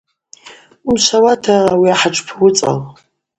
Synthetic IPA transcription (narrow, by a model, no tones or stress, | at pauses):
unʃʷawatʰaːwiaħaʈ͡ʂʰʷʼpʰwʊt͡sʼa̰l